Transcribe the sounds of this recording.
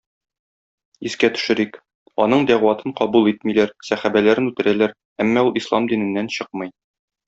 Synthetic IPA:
iskæt̪ɵ̥̆ʃɘ̆ɾik | ɒnɤɴd̪æʁwɑt̪ɤɴqɒbulˠit̪milæɾsæχæbælæɾɘnʉt̪ɘ̆ɾælæɾ | æmːæulˠʔislˠɑmd̪inɘ̆nːænɕɤq̚mɤ̆j

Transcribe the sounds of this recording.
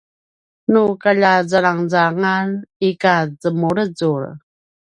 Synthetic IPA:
nukaʎazaɾaŋzaŋanikad͡zəmuɾəzuɾ

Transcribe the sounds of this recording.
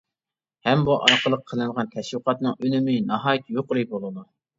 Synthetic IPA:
hɛmbuʔɑɾqʰəlˠəqʰːəlˠɨɴʁɑnt̪ʰɛʃwɨqɑt̪nɨŋønɪmɪnɑɦɑːjit̪joqʊɾɨjbolˠɨd̪u

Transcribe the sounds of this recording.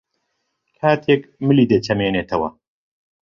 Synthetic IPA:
kʰaːt̪ʰekmɨliːd̪et͡ʃʰɐmeːneːt̪ʰɐwɐ̰

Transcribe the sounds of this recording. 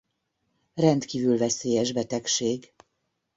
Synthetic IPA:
rɛnt̪kiːvylvɛseːjɛʒbɛt̪ɛkʃeːɡ

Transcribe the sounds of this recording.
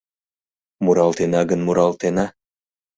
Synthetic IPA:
muɾɑlˠt̪enɑɡənmuɾɑlˠt̪enɑ

